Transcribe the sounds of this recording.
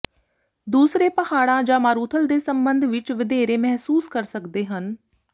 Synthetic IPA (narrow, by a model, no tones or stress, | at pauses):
d̪uːsɾeːpəhaːɽãːd͡ʒãːmaːɾuːt̪ʰəld̪eːsəmbənd̪ʱʋɪt͡ʃʋɪd̪eːɾeːmɛɦsuːskəɾsəkd̪eːɦən